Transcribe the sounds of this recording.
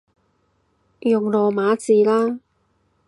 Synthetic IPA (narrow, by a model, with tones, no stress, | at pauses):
jʊ˨ŋlɔː˨maː˨˥t͡siː˨˧laː˥